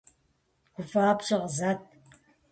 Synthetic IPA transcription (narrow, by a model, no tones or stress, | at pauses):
kʷʊfaːpɕɪʁzat̚